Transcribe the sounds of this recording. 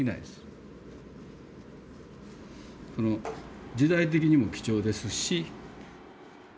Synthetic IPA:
ina̰id̪esɨ̥ | so̞no̞d͡ʑid̪ait̪̬e̞kʲiɲ̟imo̞kʲi̥t͡ɕo̞ːd̪e̞sɨɕi

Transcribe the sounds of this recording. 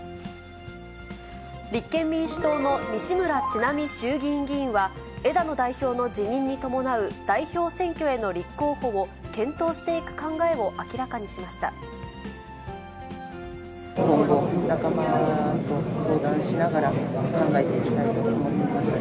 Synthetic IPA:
ɾʲikːẽ̞mːʲĩɰ̃ɕɨ̥t̪o̞ːno̞mʲiɕimɯ̟ɾat͡ɕinamʲiɕɨːɡʲĩŋɡʲĩːɰ̃βa | e̞d̪ano̞d̪aiçʲo̞ːno̞d͡ʑiɲ̟ĩɲ̟ːit̪o̞mo̞naɯ̟d̪̥aiço̞ːsẽ̞ŋkʲoe̞no̞ɾʲikːo̞ːho̞βo̞kẽ̞nt̪o̞ːɕi̥t̪e̞ikɯ̟̥kãŋɡae̞βo̞ʔakʲiɾakaɲ̟iɕimaɕi̥t̪a̰ | kõŋɡo̞nakamat̪o̞so̞ːd̪ãɰ̃ɕinaɡaɾakãŋɡae̞t̪e̞ikʲi̥t̪ait̪o̞moimoimasɨ

